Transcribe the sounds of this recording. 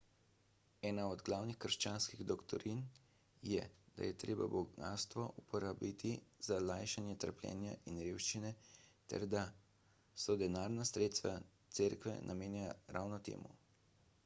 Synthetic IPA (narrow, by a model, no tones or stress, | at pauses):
ɛːnaɔd̪ɡlawnixkəɾʃt͡ʃaːnskiɣd̪ɔkt̪ɔ̰ɾin | jɛd̪a̰jɛt̪ɾeːba̰bɔɡa̰ːst̪ʋɔʔupɔɾabit̪ʰizalajʃanjɛt̪əɾpljɛ̰ːnjaʔinɾewʃt͡ʃinɛt̪ɛ̰ɾd̪a | sɔd̪ɛnaːɾnasɾeːt̪st̪ʋat̪seːɾkʋɛ̰nʔameːnjaɾa̰ːwnɔt̪ḛːmṵ